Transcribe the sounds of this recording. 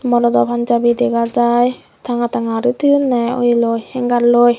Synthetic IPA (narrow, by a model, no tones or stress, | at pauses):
mɔɾɔd̪ɔpʰand͡ʒabid̪ɛɡazaj | t̪ʰaŋat̪ʰaŋaɾɯt̪ʰɯjɯnːajɔ̰jlojhɛŋɡaɾloj